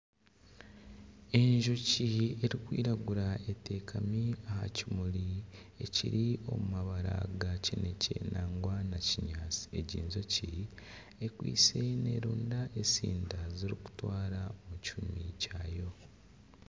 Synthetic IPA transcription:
e̞ɲʒo̞cieɾikwḭːɾaɡuɾae̞te̞ːkʰamiaha̰cimulie̞cḭɾio̞̰mumaβaɾa̰ɡacenecʰḛnʔaːŋɡwanaciɲaːt͡si̥e̞ɟiːnzo̞ci | ekwḭːse̞ne̞̰ːɾuːndaʔe̞sḭːndaziɾiku̥twaːɾaomucumicajo̞

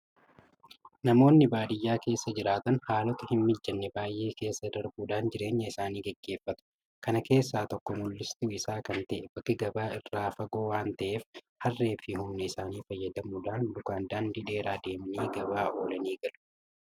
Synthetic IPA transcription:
nɐmo̞ːnːɪbaːd̪ɪjːaːke̞ːsːɐd͡ʒɪɾaːt̪ɐnhaːlɔt̪ɐhɪmmɪd͡ʒːɐnːɛbaːjʔe̞ːke̞ːsːɐd̪ɐɾbuːᶑaːnd͡ʒɪɾe̞ːɲːɐɪsaːniːɡɛɡːeːfːɐt̪ʊ̥ | kɐnɐke̞ːsːaːt̪ɔkːɔmulːɪst̪ɪɪsaːkɐnt̪ɐʔɛbɐkːɪɡɐbaːɪrːaːfɐɡo̞ːwaːnt̪ɐʔe̞ːf | hɐrːe̞ːfɪhʊmnɛɪsaːniːfɐjːɐd̪ɐmuːᶑaːnd̪ʊkaːnd̪aːnd̪ɪᶑe̞ːɾaːd̪e̞ːmɐniːɡɐbaːʔo̞ːlɐniːɡɐlʊ̥

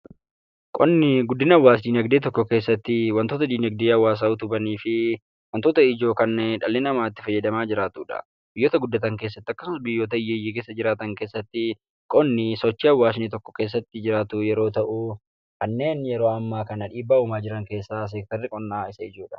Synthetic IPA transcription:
kʼɔnːɪɡʊd̪ːɪnɐwːaːsd̪iːnɐɡd̪eːt̪̬ɔkːɔke̞ːsːɐt̪ːɪwɐnt̪oːt̪ɐd̪iːnɐɡ̚d̪eːɐwːaːs̬ɐʊt̪ʊbɐniːfɪ | wɐnt̪oːt̪ɐɪd͡ʒo̞ːkɐnːɛᶑɐlːɪnɐmaːt̪ːɪ̥fɐjːɐd̪ɐmaːd͡ʒɪɾaːt̪uːᶑɐ̰ | b̥ɪjːoːt̪ɐɡʊd̪ːɐt̪ɐŋke̞ːsːɐt̪ːɪɐkːɐ̥sʊnɐsbɪjːoːt̪ɐɪjːɛjːiːkeːsːɐd͡ʒɪɾaːt̪ɐŋke̞ːsːɐt̪ːɪ | kʼɔnːɪsɔt͡ʃːiːɐwːaːs̬niːt̪ɔkːɔ̥ke̞ːs̬ːɐt̪ːɪd͡ʒɪɾaːt̪ʊjɛɾo̞ːt̪ɐʔʊ | kɐnːe̞ːnjɛɾo̞ːɐmːaːkɐnɐᶑiːbːaʊmaːd͡ʒɪɾɐŋke̞ːsːaːs̬ɛk̚t̪ɐɾːɪkʼɔnːaːɪsɐɪd͡ʒuːᶑɐ̥

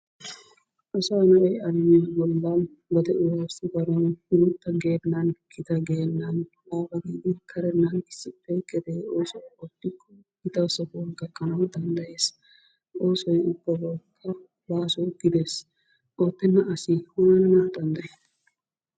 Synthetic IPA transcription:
ʔɔsɐnɐʔɛjɐɾɪjibɔlːan | bɐd̪ɛʔʊwaːsɪbɐɾɔnhɪɾʊt̪ːɐɡeːnːɐnkʰɪt̪ɐɡeːnːɐn | baːbɐɡiːd̪ɪkʰɐɾɛnːɐnɪsːɪpːɛkʼːɛd̪eːoːsɔwɔt̪ːɪkʰʼːɔ | kɪt̪ɐsɔkɔɡɐkʼːɐnɐwd̪ɐnd̪ɐje̞ːs | o̞ːsɔjʊb̥ːɐbɔlkʰːɐ | baːsɔɡ̥ɪd̪e̞ːs | ʔoːt̪ːɛnːɐʔɐsɪwɐɐnnɐd̪ɐnd̪ɐje

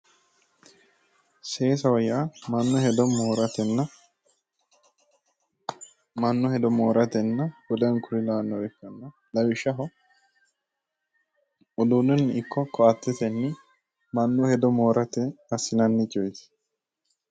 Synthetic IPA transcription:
seːs̬ɐwɔjamɐnːʊhɛd̪ɔmoːɾɐt̪ɛnɐ | mɐnːʊhɛd̪ɔmoːɾɐt̪ɛnːɐbɔd̪ɐnkʰʊɾɪlɐnːɔɛkːɐnːɐ | lɐwɪʃɐɦɔ | ɔd̪unʊnːɪkʰːɔkʰɔɐt̪ːɛt̪ɛnːɪ | mɐnːʊhɛd̪ɔmoːɾɐt̪ɛɐsːɪnɐnːɪt͡ʃʼɔjt̪ɪ̥

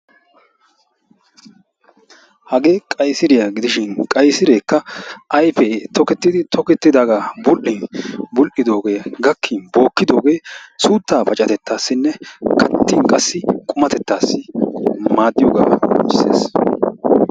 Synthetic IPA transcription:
hɐɡe̞ːkʼɐjsɪɾɪjaɡɪd̪ɪʃɪnkʼɐjsɪɾe̞ːkːɐʔɐjfet̪ɔkɛt̪ːɪd̪ɪt̪ɔkɛt̪ːɪd̪aːɡaːbʊlʔɪnbʊlʔɪd̪o̞ːɡe̞ːɡɐkʰːɪnbo̞ːkːɪd̪o̞ːɡe̞ːsuːt̪ːaːpɐt͡ʃʼɐt̪ɛt̪ːaːsːɪnːɛkʰɐt̪ːɪnkʼɐsːɪkʼʊmɐt̪ɛt̪ːaːsːɪmaːd̪ːɪjoːɡa̰ːɡɔ̰mɪsḛːs

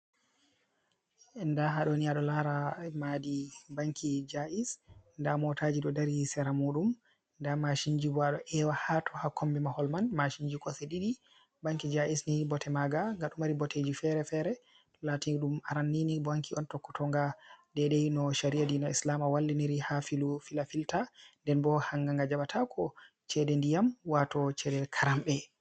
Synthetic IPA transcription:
ndaɦaɗɔniaɗɔlaɾamadibaŋkʰid͡ʒaʔisndamɔtʰad͡ʒiɗɔdaɾisɛɾamuɗum | ndamaʃiɲd͡ʒibaɗɔʔɛwahatʰɔhakombɛmahɔlmanmaʃiɲd͡ʒikɔseɗiɗi | baŋkid͡ʒaʔisnibɔtʰɛmaɡaŋɡaɗumaɾibɔted͡ʒifɛɾɛfɛɾɛ | latiniɗumaɾanːinibaŋkʰiɔntɔkːɔ̥tʰɔŋɡadɛɗɛjnɔʃaɾiadinɔislamawalːiniɾihafilufilafiltandɛnbɔhaŋɡaŋɡad͡ʒaɓatʰakʰɔ | t͡ʃɛdɛndijamwatɔt͡ʃɛdɛlkʰaɾambɛ

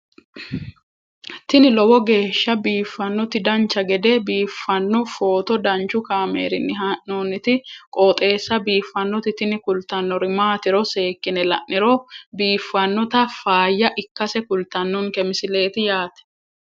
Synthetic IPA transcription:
t̪ɪnɪlɔwɔɡe̞ːʃːɐbiːfːɐnːɔt̪ɪd̪ɐnt͡ʃːɐɡɛd̪ebiːfːɐnːɔfoːt̪ɔd̪ɐnt͡ʃːʊkaːmḛːɾɪnːɪɦɐʔnoːnɪt̪ɪkʼoːt̪ʼe̞ːsːɐbiːfːɐnːɔt̪ɪt̪ɪnɪkʊlt̪ɐnːɔɾɪmaːt̪ɪɾɔse̞ːkːɪnɛlɐ̰ʔnɪɾobiːfːɐnːɔt̪ɐfaːjːɐʔɪkːɐsɛkʊlt̪ɐnːʊnkɛmɪsɪle̞ːt̪ɪjaːt̪ɛ̥

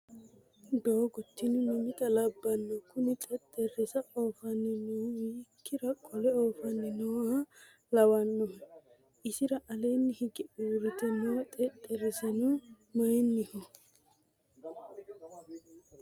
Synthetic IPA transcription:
d̪oːɡɔt̪ːɪnɪnʊmɪt̪ɐlɐbːɐnːɔkʊnɪt̪ʼɛt̪ʼːɛrːɪsɐoːfɐnːɪnuwiːkːɪɾɐkʼɔlɛoːfɐnːɪnɔwɐ | lɐwɐnːɔhɛ | ɪsɪɾɐʔɐleːnːɪhɪɡɪuːɾɪt̪ɛnɔwɐt̪ʼɛt̪ʼːɛɾɪsɐnu | mɐjnːɪhɔ

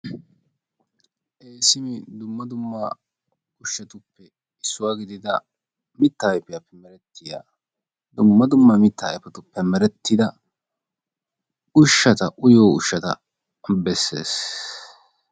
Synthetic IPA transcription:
ʔeːsɪmɪd̪ʊmːɐd̪ʊmːɐ | ʊʃːɐt̪ʊpːɛ | ɪsːʊwaːɡɪd̪ɪd̪ɐ | mɪt̪ːɐjpːɪjɐpːɛmɛɾɛt̪ːɪja̰ː | d̪ʊmːɐd̪ʊmːɐmɪt̪ːɐjpːɐt̪ʊpːɛmɛɾɛt̪ʰːɪd̪ɐ | ʊʃːɐt̪ɐʔʊjoːʊʃːɐt̪ɐ̰ | bɛsːḛːs

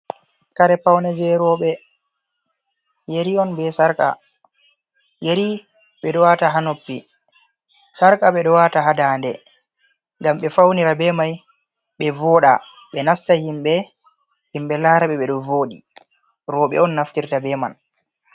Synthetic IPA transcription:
kaɾɛpawnɛd͡ʒɛɾɔɓɛ | jeɾiɔnbɛsaɾka̰ | jeɾi | ɓɛɗɔwataɦanopːi | saɾkʼaɓɛɗɔwataɦadandɛ | ŋɡamɓɛfawniɾabɛmaj | ɓɛvɔːɗa̰ | ɓɛnastahimɓɛ | himɓɛlaːɾaɓɛɓɛɗɔvoːɗḭ | ɾɔɓɛ̰ɔnːaftiɾtabɛma̰n

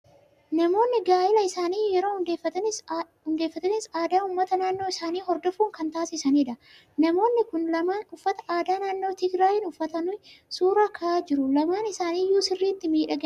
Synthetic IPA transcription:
nɐmo̞ːnːɪɡaːjɪlɐɪsaːniːjɛɾo̞ːʊd̪eːfːɐt̪ɐnɪs | ʊnd̪e̞ːfːɐt̪ɐnɪsaːd̪aːʊmːɐt̪ɐnaːnːo̞ːɪsaːniːɦɔɾd̪ɔfuːŋkɐnt̪aːsɪsɐniːᶑɐ | nɐmo̞ːnːɪkʊnɐmaːnʊfːɐt̪ɐ̥ʔaːd̪aːnaːnːoːt̪ɪɡɾaːjɪnʊfːɐt̪ɐnʊjsuːɾaːkʰɐʔaːd͡ʒɪɾʊlɐmaːnɪsaːniːjuːsɪrːiːt̪ːɪmiːᶑɐɡ

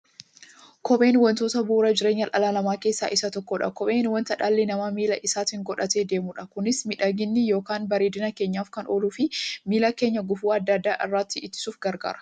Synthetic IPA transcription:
kɔɓe̞ːnwɐnt̪oːt̪ɐbuːɾɐd͡ʒɪɾe̞ːɲːɐlʔɐlalɐmaːke̞ːsːa̰ːʔɪsɐt̪ɔkːɔᶑɐ̰kɔɓe̞ːnwɐnt̪ɐᶑaːlːɪnɐmɐmiːlɐʔɪsaːt̪ɪŋɡɔᶑɐt̪e̞ːd̪e̞ːmʊᶑɐkʊnɪsmɪᶑɐɡɪnːɪjo̞ːkaːnbɐɾeːd̪ɪnɐke̞ːɲːaːfkɐnʔoːluːfɪmiːlake̞ːɲːɐɡʊfuːɐd̪ːɐd̪ːaːʔɪrːaːt̪ːɪʔɪt̪ːɪ̥suːfɡɐɾɡa̰ːɾɐ̥

